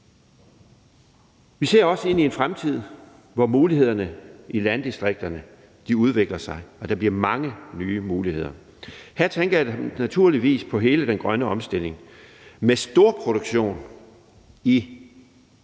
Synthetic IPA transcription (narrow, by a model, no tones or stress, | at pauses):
ʋise̝ɐ̰ɒ̽səe̝n̰ie̝nfʁamt͡sʰið̰ˠ | ʋɒmuːlihe̝ð̞̰ˠɐnəʔilænd̥isd̥ʁeɡ̥̚d̥ɐnə | d̥iuð̞ˠʋeɡ̥lɐsɑ̈ɪɒ̽d̥ɑ̈b̥liɐmɑ̈ŋənyːmuːlihe̝ð̰ˠɐ | hæɐ̰t͡sʰenɡ̥ənæt͡sʰuɐ̰liʋḭːspʰɒ̽ɦe̝ːləd̥enɡ̥ʁɶnəɒ̽msd̥e̝l̰e̝ŋ | mesd̥o̝ɐ̰pʰʁo̝ɾ̥oɡ̥ɕo̝̰ːn | i